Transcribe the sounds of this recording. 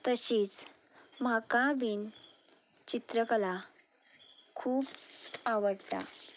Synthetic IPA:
t̪əɕiːt͡s | makabin | t͡ɕit̪ɾəkəla | kʰuːbaʋəɽt̪a̰

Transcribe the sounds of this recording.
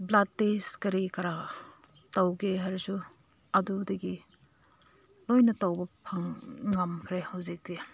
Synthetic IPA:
blad̚teskɐɾikɐɾa | tawɡeɦɐɾsu | ɐdudɐɡi | lojnɐtawbɐpʰɐŋːɐmkʰɾehɐwzik̚di

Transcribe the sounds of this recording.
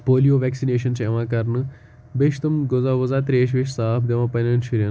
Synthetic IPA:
poːlijoːʋɛːksineːʃɐnsɐʋãːkɐɾnɨ | beʃt̪ɐmɡozaːʋɐzaːt̪ɾeːʃ̬ʋeʃsaːfʰd̪eʋãːpɐnɐnʃiɾʲjɐ

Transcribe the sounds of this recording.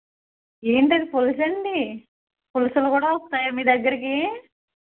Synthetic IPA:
eːɳʈɐd̪ipolsɐɳɖi | polusulukuːɽaːost̪aːjamiːd̪ɐɡːɐɾik̬i

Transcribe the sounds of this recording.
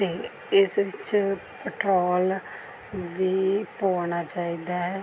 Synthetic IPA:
t̪eː | ɪsʋɪt͡ʃpəʈɾoːl | ʋiːpoːnaːt͡ʃaːiːd̪aːɛː

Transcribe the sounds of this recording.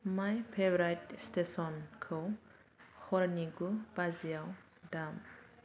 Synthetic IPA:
majpʰebɾajtstesɔnkʰɔw | hɔɾniɡub̥azijaw | dam

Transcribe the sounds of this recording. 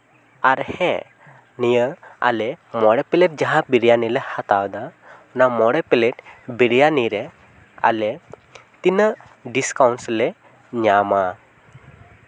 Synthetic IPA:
aɾhɛ̰̃ | nijəa̰lemɔɽepeleʈ̚d͡ʒaɦabiɾijanilehat̪awd̪a | unamɔɽepeleʈbiɽijaniɾe | a̰le | t̪inə | ɖiskawnsle | ɲama

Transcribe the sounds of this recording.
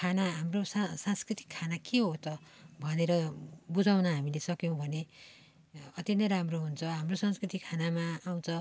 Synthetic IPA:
kʰanaɦamrossãnskrit̪i̥kʰːanakeɦot͡sʌbʱʌneɾʌbud͡zawnʌɦamilesʌkjõw̃bʱʌne | ʌt̪jʌ̃nt̪ʌɾamroɦunt͡sʰʌɦamrosʌnskrit̪ikkʰanamaːw̃t͡sʰʌ

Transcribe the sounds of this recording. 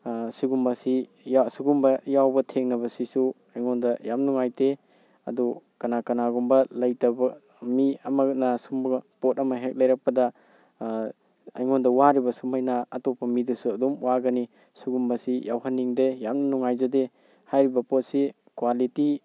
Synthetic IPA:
suɡumbɐsi | jsuɡumbɐjawbɐtʰeŋnɐβɐsisu | ajŋɔndɐjamnuŋajte | ɐ̰dukɐnakɐnaɡumbɐlɐjtɐbɐ | miɐmɐnasumbpotɐmɐɦek̚lɐjɾɐk̚pɐdɐ | ɐ̰jŋɔndɐwaɾibɐsumajnaːtopʰːɐmidusuɐdumwaɡɐni | suɡumbɐsijawɦanːiŋdejamnɐnuŋajzode | hajɾibɐpɔt̚si | kwaliti

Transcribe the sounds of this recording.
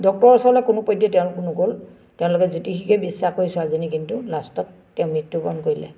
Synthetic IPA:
dɔk̚tɔɹɔsɔlɛkʊnʊpodjɔtɛʊ̃lkʊnʊɡol | tɛʊ̃lʊkɛzutixikɛbisːaxoɹisʊazinikintulastɔtːɛʊ̃mitːubɔnkoɹilɛ̰

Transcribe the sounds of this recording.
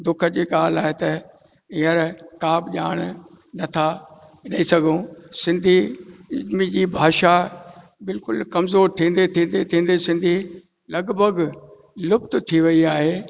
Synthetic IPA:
d̪ʊkʰəd͡ʑiːɠaːlaːɦet̪ɐ | ɪ̃ɦəɾkaːbʄaːɽ̃ | nɐt̪ʰa | ɗɐisɐɡʱũsɪ̃nd̪ʱi | mid͡ʑiːbʱaːʃa | bɪlkʊlkɐmzoːɾt̪ʰĩːn̆d̪et̪ʰĩːn̆d̪et̪ʰĩːn̆d̪esɪ̃nd̪ʱi | lɐɡbʱəɡ | lʊpt̪t̪ʰiʋɐiaːɦeː

